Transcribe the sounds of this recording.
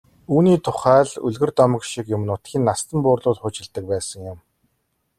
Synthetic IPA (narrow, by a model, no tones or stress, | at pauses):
uːniːt̪ʰʊχæːɮɵ̰ɮɣɘ̆rt̪ɔmə̆kʃikjʊm̆nʊt̪xʲiːnːast̪ə̆mpʊːrɮʊːt̪χʊːt͡ɕɪ̆ɮt̪ə̆k̚pæːsə̆ŋjʊ̆m